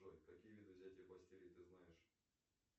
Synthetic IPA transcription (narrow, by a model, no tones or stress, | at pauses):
ojkɐkʲijvʲid̪ɨvzʲætʲɪjəpˠɐsʲtʲeɾʲɪjt̪ɨznajɪʂ